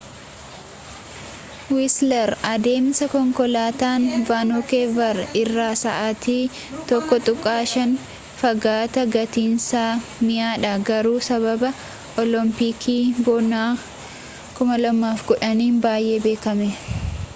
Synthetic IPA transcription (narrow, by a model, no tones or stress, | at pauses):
wɪslɐɾɐd̪e̞ːmɪsɐkɔŋkɔlaːt̪aːnvaːnɔkeːvɐɾɪrːaːsɐʔaːt̪iː | t̪ɔkːɔt̪ʼʊkʼːaːʃɐn | fɐɡaːt̪ɐɡɐt̪iːnsaːmɪjaːᶑɐɡɐɾuːsɐβɐbɐ | ʔɔlɔmpiːkʰiːbɔnaː | kʊmɐlɐmːaːfɡɔᶑɐniːnbaːjʔe̞ːbe̞ːkɐmɛ